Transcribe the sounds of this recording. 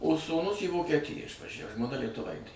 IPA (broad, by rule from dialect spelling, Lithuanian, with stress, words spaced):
oː suːˈnʊs iː ʋoːkʲiɛˈtʲɪjæː ɪʃʋɐˈʒʲæw ʒmoːˈnɐ lʲiɛtʊˈʋɐɪtʲeː